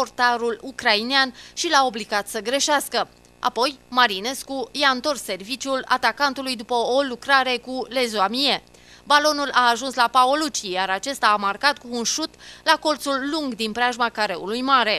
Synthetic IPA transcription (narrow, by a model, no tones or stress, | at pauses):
ort̪aɾulukɾaineanʃilao̞bliɡat̪səɡɾe̞ʃaskə | a̰po̞jmaɾine̞skujaɨnt̪o̞rsːe̞rvit͡ʃjula̰t̪akant̪ulujd̪upəolukɾaɾe̞kule̞zoamije | balo̞nulaːʒunslapaolut͡ʃijaɾat͡ʃe̞st̪aːmarkat̪kuːnʃut̪lako̞lt̪sulːuŋɡd̪inpɾeaʒmakaɾe̞ulujmaɾe̞